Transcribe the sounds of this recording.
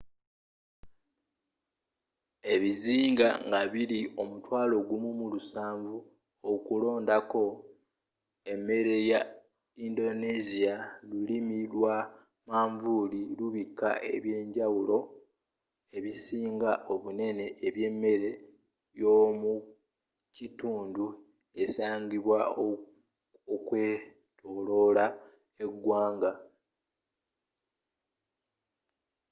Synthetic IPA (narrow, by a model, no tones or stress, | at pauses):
e̞βiziːŋɡa̰ŋɡaβiɾio̞mutwaːlo̞ɡumumulusaːɱvu | okulo̞ːndako̞ | e̞me̞ɾe̞ja | indo̞nezialulimilwa | maːɱvuliluβikːa̰e̞̰βje̞ːɲɟawulo̞ | e̞βisiːŋɡaʔo̞βune̞ne̞ʔːβje̞mːe̞ɾe̞ | jo̞mu | cituːndu | e̞saːɲɟiβwa | okwe | tʰo̞lo̞la | e̞ɡːwaːŋɡa